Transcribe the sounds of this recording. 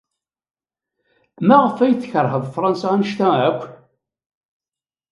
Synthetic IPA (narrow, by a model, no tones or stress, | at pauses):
mæʁəfæjθçəɾˤhəðˤfɾˤɑnsæænʃt̪æækʷːn